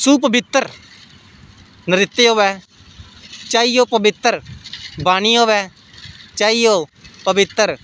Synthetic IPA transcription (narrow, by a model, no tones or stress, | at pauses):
suːpəbɪt̪ːəɾ | nəɾɪt̪ːeːɦoːʋɛː | t͡ʃaːioːpəbɪt̪ːəɾbaːñiːɦoːʋɛː | t͡ʃaːiːjoːpəbɪt̪ːəɾ